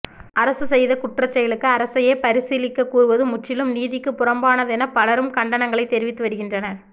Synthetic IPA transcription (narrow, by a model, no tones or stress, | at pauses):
ʔɐɾɐsɯsɛjðɐkʊʈrɐt͡ʃːɐjɐɭɯkːɯɐɾɐsɐjeːpɐɾɪsiːlɪkːɐkːuːrɯʋɐðɯmʊʈːɪlɯmniːðɪkːɯpːʊrɐmbaːnɐðɛnɐpɐlɐɾɯmkɐɳɖɐnɐŋɡɐɭɐɪt̪ːɛɾɪʋɪt̪ːɯʋɐɾɯɣɪndrɐnɐɾ